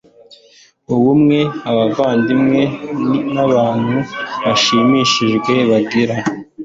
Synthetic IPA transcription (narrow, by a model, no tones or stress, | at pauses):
uwumŋe̞aβavaːndimŋe̞naβaːn̥huβaʃiːmiʃiʒɡwe̞βabɡiɾa